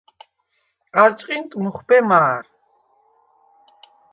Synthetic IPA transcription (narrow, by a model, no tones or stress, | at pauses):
aɾt͡ʃʼqʼɪnt̪ʼmʊχpɛmaːɾ